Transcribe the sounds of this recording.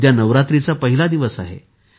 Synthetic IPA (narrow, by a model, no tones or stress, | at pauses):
janəʋɾat̪ɾit͡sapəɦilad̪iʋəsaɦḛ